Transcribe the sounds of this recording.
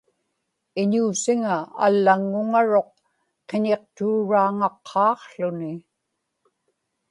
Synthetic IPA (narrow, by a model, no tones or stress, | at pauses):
ɪɲuːsiŋaa̰lːaŋːʊŋaɻo̞q̚ | e̞ɲe̞q̚t̪uːɻaːŋɑqʰːɑːqɬʊnɪ